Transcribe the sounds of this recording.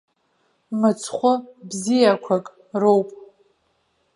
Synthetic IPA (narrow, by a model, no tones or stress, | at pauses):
mɨt͡sʰχʷʊbzijakʷʰakʼ | rowpʼ